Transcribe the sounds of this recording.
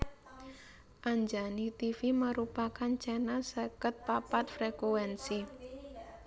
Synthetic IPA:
ʔaɲd͡ʒanit̪ifiməɾupakant͡ʃɛnasəkət̪̚papat̪̚fɾekuwɛnsi

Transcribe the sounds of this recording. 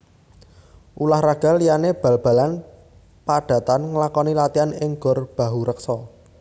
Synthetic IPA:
ʔulahraɡ̥a̤lːijaneb̥ä̤lb̥ä̤lan | paɖ̥ä̤t̪anŋəlakɔnilat̪ianɪŋɡ̥ɔ̤rb̥a̤ɦuɾək̚sɔ

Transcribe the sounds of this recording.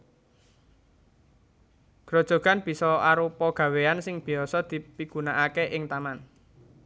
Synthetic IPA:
ɡ̥ɾɔ̤d̥ʒ̥ɔ̤ɡ̥a̤nb̥i̤sɔaɾupɔɡ̥ä̤weansɪŋb̥i̤ɔsɔd̪̥i̤piɡ̥unaʔakeʔɪŋt̪aman

